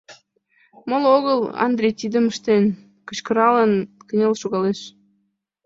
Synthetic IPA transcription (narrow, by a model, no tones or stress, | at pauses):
moloɣəlɑ̰nd̪rʲejt̪id̪əməʃt̪en | kə̥̆t͡ɕkəɾɑlənkə̆nʲelʃuɣɑleʃ